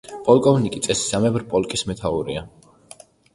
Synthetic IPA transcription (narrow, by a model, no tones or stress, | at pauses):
pʼɔlˠkʼɔvnikʼit̪sʼɛsi̥samɛbɾpʼɔlˠkʼismɛt̪ʰauɾia